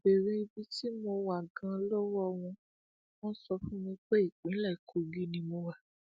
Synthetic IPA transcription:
be˨ɾi˧˦i˧bi˧ti˦mo˧wa˨ɡã˧˦lɔ˦wɔ˦˧w̃ɔ̃˧ | mɔ̃˦sɔ˧fũ˦mĩ˧k͡pɛ˦i˦˨k͡pĩ˨˦lɛ˦˨kʰo˨˧ɡi˦nĩ˧mo˧wa˨

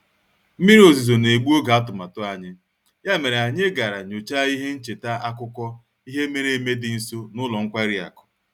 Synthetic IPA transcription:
m̩˦mi˦ɾi˦o˨zi˨zo˨ne˨ɡ͡bu˦o˦ɡa˨a˦tʊ˨ma˨tʊ˦a˨ɲɪ˦ | ja˦me˨ɾe˨a˨ɲe˦ɡa˨ɾa˨ɲo˨t͡ʃa˦i˦ɦe˦n̩˦t͡ʃe˨ta˦a˦kʊ˦kʷɔ˦ | i˦ɦe˦me˦ɾe˨˦me˦dɪ˨n̩˦so˦nʊ˦lɔ˨ŋ̩˦kʷa˦ɾi˦a̰˨kʊ̥˨

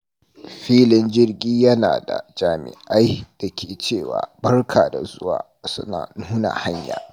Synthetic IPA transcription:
ɸiː˦lɪ˦nd͡ʒɪ˦rɡʲiː˦jɐ˦na̰ː˨da̰˨d͡ʒaː˨mɪ̰˨ʔa˦jd̥ɐ˨kʲʰeː˨t͡ʃeː˦˨wa̰ː˨bɐ˦rkʰaː˨da˨zʊ˦wa̰ː˨ | sʊ̰˦na̰ː˨nuː˦na̰˨ha˦ɲja̰ː˨

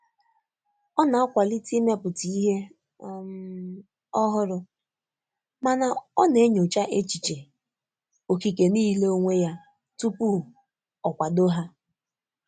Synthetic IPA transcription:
ɔ˦na˨a˦kʷa˨li˦ti˦m˦a˦pʊ˨ti˨i˦ɦe˦˨ | m˦ | ɔ˦ɦʊ˦ɾʊ˨ | ma˨na˨ɔ˦ne˨˦ɲo˨t͡ʃa˦ʔe˦t͡ʃi˨t͡ʃe˨ | o˨ki˨ke˨niː˦le˦o˦ŋʷe˦ja˦ | tu˦pu˦˨ | ɔ˨kʷa˨do˦ɦa˦

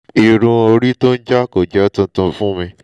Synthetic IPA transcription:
i˨ɾũ˧o˧ɾi˦to˦n̩˦d͡ʒa˦ko˨d͡ʒɛ˨˦tũ˧˦tũ˧fũ˦mĩ˧

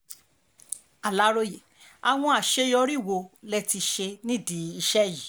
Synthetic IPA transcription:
a˨la˨˦ɾo˧je˨ | a˨w̃ɔ̃˧a˨ʃe˧jɔ˧ɾi˦˨wo˧lɛ˦ti˧ʃe˧nĩ˦di˨˦i˧ʃɛ˦ji˨

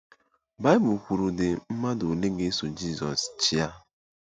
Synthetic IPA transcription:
ba˦ɪ˦bʊ˨kʷu˨ɾu˨dɪ˨m̩˦ma˦do˨le˦ɡe˦so˨d͡ʒi˦˨zɔ˨st͡ʃi˦a˦

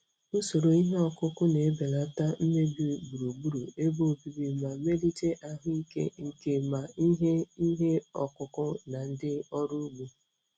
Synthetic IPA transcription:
u˦so˨ɾo˨i˦ɦe˦ɔ˨kʊ˦kʊ˦ne˨˦be˨la˨˦ta˦m̩˦me˦bi˨bu˨ɾu˨bu˦ɾu˨e˦bo˦o˨bi˨bi˨ma˨˦me˦di˦te˦ʔa˦ɦʊ˦i˦kḛ˦ŋ̩˨ke˦ma˨i˦ɦe˦i˦ɦe˦ɔ̰˨kʊ˦kʊ˦na˨n̩˦dɪ˦ɔ˦ɾu˦ɡ͡bu˨

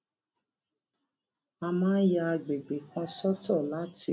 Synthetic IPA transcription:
a˧mãː˦n˦ja˧ɡ͡be˨ɡ͡be˨kã˧sɔ˦tɔ˦˨la˦ti˧˦

